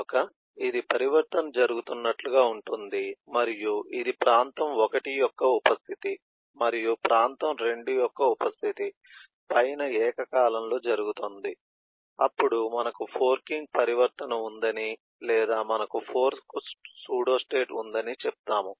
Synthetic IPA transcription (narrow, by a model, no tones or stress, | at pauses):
kɐ | id̪ipɐɾiʋɐɾt̪ɐnɐd͡ʒɐɾuɡut̪unːɐʈluɡaːuɳʈund̪imɐɾijuʔid̪ipɾaːnt̪ɐmɔkɐʈijɔkːɐupɐst̪ʰit̪i | mɐɾijupɾʔaːnt̪ɐmɾe̞ɳɖujɔkːɐupɐst̪ʰit̪i | pɐjnɐɛːkɐkaːlɐmlo̞ːd͡ʒɐɾuɡut̪ond̪i | ɐpːuɽumɐnɐkupʰoːɾkiŋɡ̚pɐɾiʋɐɾt̪ɐnɐund̪ɐni | lɛːd̪aːmɐnɐkupʰo̞ːɾskussuːɽo̞ːsʈe̞ːʈṵnd̪ɐnit͡ʃɛp̚t̪aːmu